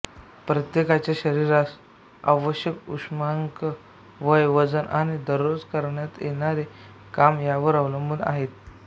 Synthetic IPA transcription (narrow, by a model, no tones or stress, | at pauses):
pɾət̪jekat͡ɕjaɕəɾiɾas | a̰ʋəɕjəkṵʂmaŋkə | ʋəjʋəd͡zənʔa̰ñid̪əɾod͡zkəɾɳjat̪jenaɾe | kamjaʋəɾaʋləmuna̰ɦet̪̚